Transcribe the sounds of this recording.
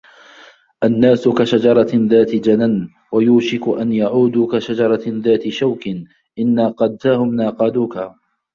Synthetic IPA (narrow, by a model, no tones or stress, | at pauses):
ʔanːaːsʊkaʃad͡ʒɑɾˤɑðaːt̪ɪd͡ʒanan | wajuːʃɪkʊʔanjaʕuːd̪uːkaʃad͡ʒɑɾˤɑðaːt̪ɪʃawkɪn | ʔɪnːaːqɑːd̪̚t̪aːhʊmnaːqɑːd̪uːka